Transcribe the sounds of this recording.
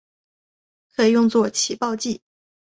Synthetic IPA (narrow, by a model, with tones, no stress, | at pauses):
kʰɤ˧˥i˨˩jʊ˥˧ŋt͡swɔ˥˩t͡ɕʰi˨˩pɑ˥˧ʊt͡ɕi˥˩